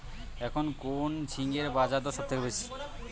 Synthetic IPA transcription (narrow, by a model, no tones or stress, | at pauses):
ɛkʰonkont͡ɕʰiŋɡeɾbad͡ʑad̪oɾʃɔpt̪ʰekebejt͡ɕʰi̥